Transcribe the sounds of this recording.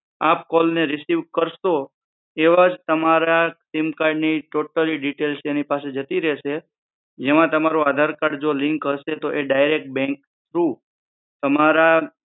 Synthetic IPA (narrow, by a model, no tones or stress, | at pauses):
apkɔlneɾɪsiʋkəɾʃo | eʋad͡ʒt̪əmaɾasimkaɾɖniʈoʈəliɖiʈelsenipased͡ʒət̪iɾɛʃe | d͡ʒemãt̪əmaɾuad̪ʱaɾkaɽd͡ʒolɪ̃ŋkɦəʃet̪oʔeɖajɾek̚ʈ̚bɛ̃ŋk | t̪ʰɾu | t̪əmaɾa